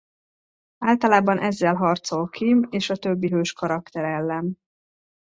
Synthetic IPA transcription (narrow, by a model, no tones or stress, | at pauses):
aːlt̪ɒlaːbɒnʔɛzːɛlɦɒrt̪so̞lkʰimeːʃɒt̪øbːiɦøːʃkɒɾɒkt̪ɛɾɛlːɛn